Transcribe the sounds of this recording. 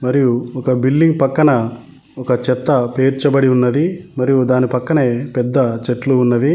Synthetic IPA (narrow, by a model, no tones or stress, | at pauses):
mɐɾijuɔkɐbilɖiŋɡ̚pɐkːɐnɐ | ɔkɐt͡ʃɛt̪ːɐpeːɾt͡ʃɐbɐɽiunːɐd̪imɐɾijud̪aːnipɐkːɐne̞ːpɛd̪ːɐt͡ʃeʈluːnːɐd̪i